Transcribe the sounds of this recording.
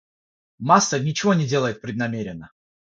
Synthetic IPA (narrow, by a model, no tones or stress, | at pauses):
masːənʲɪt͡ɕɪvo̞nʲɪdʲe̞ləjɪt̪̚pɾʲɪd̪nɐmʲeɾʲɪnːə